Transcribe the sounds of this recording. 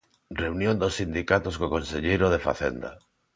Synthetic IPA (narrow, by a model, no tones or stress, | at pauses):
reunjõnd̪osːind̪ikat̪oskokonseʎejɾoð̞efa̰θḛnd̪a̰